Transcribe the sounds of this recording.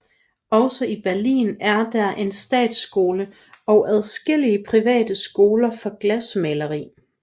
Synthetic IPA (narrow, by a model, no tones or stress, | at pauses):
ɒ̽səib̥æɐlḭːnæɐd̥æʔe̝nsd̥ɛ̰ːd̥sɡ̥o̝ːlə | ɒ̽ʊʔæð̞ˠsɡ̥e̝l̰iəpʰʁiʋɛ̰ːd̥əsɡ̥o̝ːlɐfɒ̽ɡ̥læsmelɐʁḭː